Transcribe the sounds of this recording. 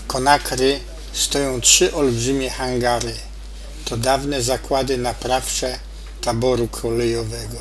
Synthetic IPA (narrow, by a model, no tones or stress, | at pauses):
kɔnakɾɘ | st̪ɔjɔ̃w̃tʂɘʔɔlbʐɘmʲjɛxaŋɡaɾɘ | t̪ɔd̪avnɛzakwad̪ɘnapɾafʂɛ | t̪abɔɾukʰɔlɛjɔvɛɡɔ